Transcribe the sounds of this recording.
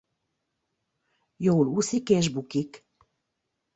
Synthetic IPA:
jowlusikeʒbukik

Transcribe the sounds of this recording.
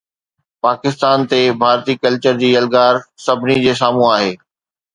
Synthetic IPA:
paːkɪst̪aːnt̪ebʱaːɾt̪ikɐlt͡ɕəɾd͡ʑiːɐlɡaːɾsɐbʱɪnid͡ʑeːs̬aːmũaːɦeː

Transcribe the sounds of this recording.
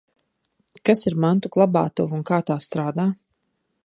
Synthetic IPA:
kasiɾmant̪uklˠabaːt̪uvunkaːt̪aːst̪ɾaːd̪aː

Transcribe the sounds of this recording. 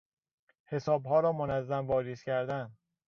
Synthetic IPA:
he̞sɒːbɦɒːɾɒːmonæzːæmvɒːɾiscʰæɾd̪æn

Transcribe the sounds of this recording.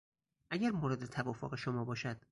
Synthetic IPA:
ʔæɟæɾmoːɾed̪e̞t̪ʰævɒːfoɣe̞ʃomɒːbɒːʃæd̪̥̚

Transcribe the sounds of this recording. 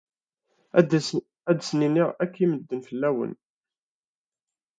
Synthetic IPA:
æd̪sninːiʁækːiməd̪ːənfəlːæwə̰n

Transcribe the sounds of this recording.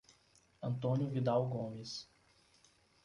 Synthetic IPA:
ɐ̃nt̪õnjʊvid̪awɡõmɪs

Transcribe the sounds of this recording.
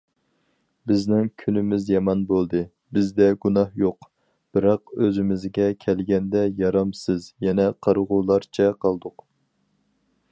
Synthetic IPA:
bɪznɪŋkʲʰynɪmɪzjɑmɑnbolˠd̪ɨ | bɪzd̪ɛɡunɑhjoq | b̥ɪɾɑq̚øzɪmɪzɡʲɛkʲʰɛlɡʲɛnd̪ɛjɑɾɑmsɨzjɛnɛqʰɑɾʁulˠɑɾt͡ʃʰɛqʰɑlˠd̪ʊq

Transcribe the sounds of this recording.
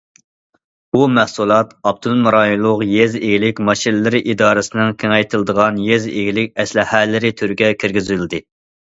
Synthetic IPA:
bumæhsulˠɑt̪ɑb̚d̪ulˠmɨɾɑjulˠʊqjezeɡʲilɪkʲmɑʃinlɨɾɪʔid̪ɑːɾɨsɨnɪŋkʲʰeŋɛjt̪ʰɨlˠd̪əʁɑnjezḛɡʲilɪkʲɛslɪhælːɪɾɪt̪ʰyɾɡʲɛkʲʰiɾɡʲizyld̪ɪ

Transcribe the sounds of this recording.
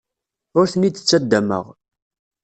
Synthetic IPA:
ʊɾθəniə̥t͡sːæd̪ːæmə̰ʁ

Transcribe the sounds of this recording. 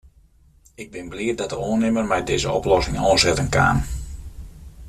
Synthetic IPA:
ɪɡ̚bɪnbliətdɔt̚dəoːənɪmərmɛjdɪːzəɔ̰plɔsɪŋɔːnzɛtənka̰ːn

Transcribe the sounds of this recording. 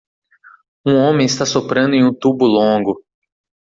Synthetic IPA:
ũõmẽj̃ɪst̪asopɾɐ̃nd̪ʊẽj̃ũt̪ubʊlõɡʊ

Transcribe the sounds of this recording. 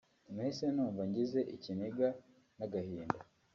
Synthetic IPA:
mweːsenuːɱvaɲɟize̞ʔicineɡa | naɡahiːnda

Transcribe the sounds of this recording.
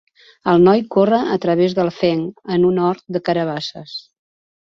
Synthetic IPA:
əlˠnɔjkorəʔət̪ɾəβezðəlˠfɛŋənunɔɾt̪̚d̪əkəɾəβ̞asəs

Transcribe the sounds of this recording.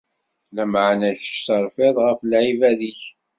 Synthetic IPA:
læmaʕnæç̥ʃsəɾˤfɪðˤʁəflʕivæðiç

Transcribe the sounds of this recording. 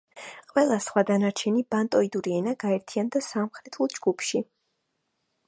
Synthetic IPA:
qʼwɛlˠasχwad̪anaɾt͡ʃʰɛnibant̪ʼɔid̪uɾiɛnaɡaɛɾt̪ʰiand̪asamχɾɛt̪ʰulˠd͡ʒɡupʰʃi

